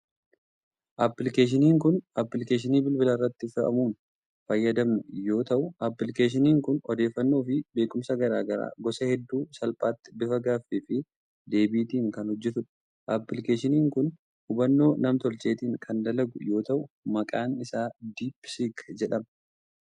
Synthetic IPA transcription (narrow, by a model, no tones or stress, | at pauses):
ʔɐpːɪlɪkeːʃ̬ɪniːŋkʊnʔɐpːɪlɪkeːʃ̬ɪniːbɪlbɪlɐɪrːɐt̪ːɪfɪʔɐ̰muːn | fɐjːɐd̪ɐmnʊjo̞ːt̪ɐʔʊɐpːlɪkeːʃ̬ɪniːŋkʊnɔd̪e̞ːfːɐnːo̞ːfɪbe̞ːkʼʊmsɐɡɐɾaːɡɐɾa̰ːɡɔsɐhɛd̪ːuːsɐlpʼaːt̪ːɪ̥bɪfɐɡaːfeːfɪ | d̪e̞ːbiːt̪iːŋkɐnhɔd͡ʒːɪt̪ʊᶑɐ̥ | ʔɐpːlɪkeːʃɪniːŋkʊn | hʊbɐnːo̞ːnɐmt̪ɔlt͡ʃʼe̞ːt̪iːŋkʰɐnd̪ɐlɐɡʊ̰jo̞ːt̪ɐʔʊ | mɐkʼaːnɪsaːd̪iːpsikd͡ʒɛᶑɐmɐ